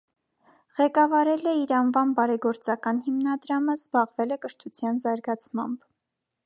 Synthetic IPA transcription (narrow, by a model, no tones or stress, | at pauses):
ʁɛkɑvɑɾɛlɛiɾɑnvɑmbɑɾɛɡɔɾt͡sɑkɑnhimnɑd̪ɾɑməzbɑʁvɛlɛkəʃt̪ʰut͡sʰjɑnzɑɾɡɑt͡sʰmɑ̰mb̥